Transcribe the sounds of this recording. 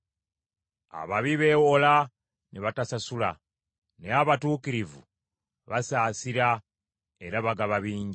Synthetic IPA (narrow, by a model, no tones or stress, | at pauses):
a̰βaβiβe̞wola | neβatasasula | neaβatuːkiɾivṵ | βasaːsiɾa | e̞ɾaβaɡaβaβiːɲɟ